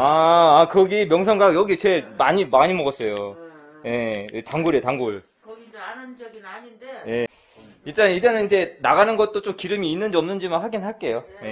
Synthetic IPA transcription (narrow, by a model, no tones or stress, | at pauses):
aakʌɡimjʌŋsʰʌŋɡajʌɡit͡ɕe̞maɲimaɲimʌɡʌs͈ʌjo | je̞etaŋɡoɾetaŋɡoɭ | je̞ | iɭt͈anid͡ʑenɯnind͡ʑe̞naɡanɯnɡʌt̚t͈ot͡ɕ͈omkiɾɯmiːnːɯnd͡ʑiʌmnɯnd͡ʑimakɸaɡinɯɭɦaɭk͈e̞joje̞